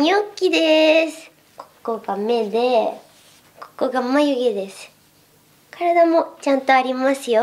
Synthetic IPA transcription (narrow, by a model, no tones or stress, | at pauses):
ɲʲiokʲːid̪e̞sɨ̥ | ko̥kːo̞ːɡame̞d̪e̞ | ko̥kːo̞ːɡamːajɯɡed̪e̞sɨ̥ | kaɾad̪amo̞t͡ɕãnt̪o̞aɾʲimasɨjo